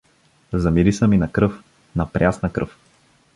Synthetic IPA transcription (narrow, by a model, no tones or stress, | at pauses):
zɐmiɾisəminɐkɾɤf | nɐpɾʲjasnəkɾɤ̰f